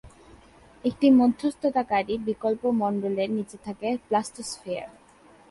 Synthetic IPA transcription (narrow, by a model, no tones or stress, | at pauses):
ek̚ʈimod̪ʱːost̪ʰot̪akaɾibikolpomɔɳɖoleɾnit͡ɕet̪ʰakeplasʈosfea̰ɾ